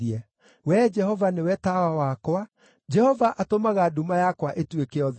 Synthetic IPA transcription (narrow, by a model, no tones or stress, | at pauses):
iɛ | wɛd͡ʒɛhɔvanewɛtawawakwa | d͡ʒɛhɔvaʔatomaɣadumajakwaʔetwekeɔð